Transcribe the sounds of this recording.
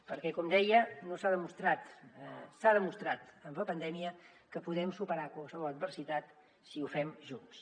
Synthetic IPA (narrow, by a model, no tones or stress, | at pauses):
pəɾkɛkɔmd̪ɛjənosaðəmust̪ɾat̪saðəmust̪ɾat̪əmbəpənd̪ɛmiə | kəpuðɛmsupəɾakwalˠsəβɔlət̪̚bərsit̪at̪ | siufɛmʒuns